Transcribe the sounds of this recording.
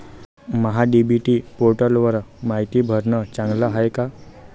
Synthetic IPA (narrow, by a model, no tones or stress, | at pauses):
məɦaɖibʱiʈiːpoɾʈəlʋəɾmaɦit̪iːbʱəɾɳət͡sãŋɡləɦajka